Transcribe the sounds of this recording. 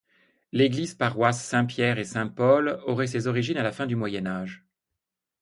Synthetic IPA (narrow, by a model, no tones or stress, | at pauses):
leɡlizpaʁwasːɛ̃pjɛʁesɛ̃pɔlɔʁɛs̬ezɔʁiʒinalafɛ̃d̪ymwajɛnaʒ